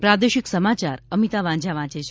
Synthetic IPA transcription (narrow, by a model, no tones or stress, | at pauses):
pɾad̪eʃiksəmat͡ʃaɾəmit̪aʋãd͡ʒaʋãt͡ʃet͡ʃʰ